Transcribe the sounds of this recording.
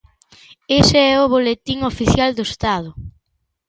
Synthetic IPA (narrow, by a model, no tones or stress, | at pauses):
eseɛʊβolet̪iŋofiθjald̪oest̪að̞ʊ